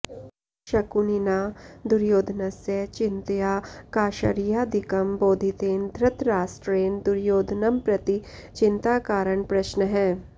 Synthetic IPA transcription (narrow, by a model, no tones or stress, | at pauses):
ʃɐkuninaːd̪ʊɾjoːd̪ʱnɐsjet͡ʃɪ̃nt̪jaːkaːʃə̰ɾijaːd̪ɪkəmboːd̪ʱit̪eːnd̪ʱɾɐt̪ɾaːsʈɾeːnd̪ʊɾjoːd̪ʱnɐmpɾɐt̪i | t͡ʃɪnt̪aːkaːɾəɳpɾɐʃnəɦɛ̃ː